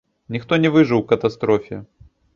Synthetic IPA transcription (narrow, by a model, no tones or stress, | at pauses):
nʲɪxt̪ɔnʲɛvɨʐɨwwkɐt̪ɐst̪ɾɔfʲɪ